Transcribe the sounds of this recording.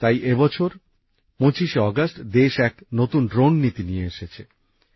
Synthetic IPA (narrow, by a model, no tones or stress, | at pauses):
t̪ajʔebɔt͡ɕʰoɾ | mõt͡ɕiʃeɔɡasʈd̪eʃɛknot̪unɖɾonːit̪inijeeʃet͡ɕʰe